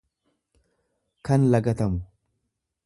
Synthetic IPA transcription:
kɐnlɐɡɐt̪ɐmʊ

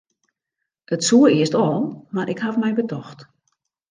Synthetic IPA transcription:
ətsuəɾɪəstɔːlˠmaɾʔɪkhafmɛjbətɔxt

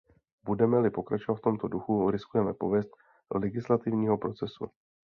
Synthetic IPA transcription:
budɛmɛlɪpo̞kɾat͡ʃovat̪ft̪o̞mt̪o̞duxuɾɪskujɛmɛpo̞vjɛst̪̚ | olɛɡɪslat̪ɪvɲiːɦo̞pɾo̞t͡sɛsṵ

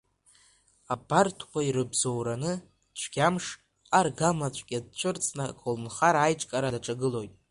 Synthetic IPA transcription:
abartʰkʷaiɾɨbzo̞wɾanɨ | t͡ɕʷʰɡʲamʂ | arɡamat͡ɕʷʰʼkʲʼad̚t͡ʃʷʰɨrt͡sʼnɨkʰʼolnχaɾajʈ͡ʂʼkʼaɾadaʈ͡ʂʼaɡɨlo̞jtʼ

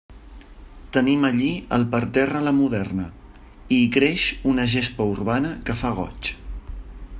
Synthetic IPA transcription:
t̪əniməʎiə̰lˠpəɾt̪ɛrələmuðɛrnə | ikɾeʃunəʒespəurβanəkəfaɣ̞ɔ̰t͡ʃ

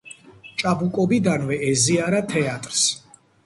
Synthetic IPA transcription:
t͡ʃʼabukʼɔbid̪anvɛɛziaɾat̪ʰɛat̪ʼɾs

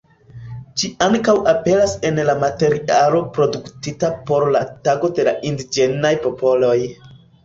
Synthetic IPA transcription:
t͡ʃiaŋkawape̞ɾase̞nlamate̞ɾialo̞pɾo̞duktitapo̞ɾlataɡo̞de̞laʔindid͡ʒe̞najpo̞po̞lo̞j

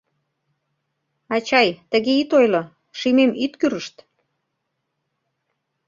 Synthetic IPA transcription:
ɑt͡ɕɑjt̪ə̆ɣeit̪ojlo | ʃimemit̪kyɾəʃt̪

